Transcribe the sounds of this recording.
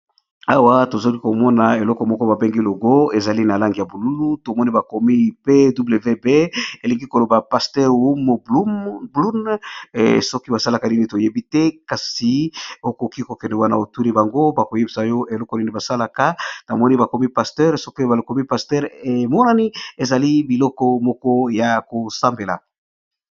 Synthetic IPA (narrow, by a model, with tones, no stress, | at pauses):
a˨wa˦to˨zo˦li˦ko˨mɔ˦na˨e˨lɔ˦kɔ˨mɔ˦kɔ˦ba˨be˦ŋɡi˦lo˨ɡo˦e˨za˨li˦na˨la˦ŋɡi˨ja˨bu˨lu˦lu˦to˨mɔ˦ni˦ba˨ko˨mi˦˨pe˦du˦ble˨ve˦be˦e˨li˨ŋɡi˦ko˨lo˨ba˨pa˨stɛ˦ʁu˦m˨u˦blu˦n | sɔ˦ki˦ba˨sa˦la˨ka˦ni˦ni˨to˨je˦bi˦tɛ˦ka˨si˨o˦ko˨ki˦ko˨kɛ˨nɛ˨wa˦na̰˨o˨tu˦li˦ba˨ŋɡo˦ba˨ko˨je˦bi˨sa˨jɔ˦ʔe˨lɔ˦kɔ˨ni˦ni˦ba˨sa˦la˨ka˦na˨mɔ˦ni˦ba˨ko˨mi˦pa˨stɛ˦ʁsɔ˦ki˦ba˨lo˨ko˨mi˦pa˨stɛ˦ʁe˨mɔ˦na˨ni˦e˨za˨li˦bi˨lɔ˦kɔ˦mɔ˦kɔ˦ja˨ko˨sa˦mbe˨la̰˨